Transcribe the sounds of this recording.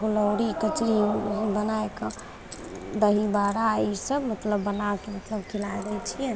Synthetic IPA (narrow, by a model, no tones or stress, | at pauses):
ɡuləwɾikət͡ʃɾibənaekə | d̪əɦibaɾaisəbmət̪ləbːənakemət̪ləbkʰilajd̪ɛt͡ʃʰijɛ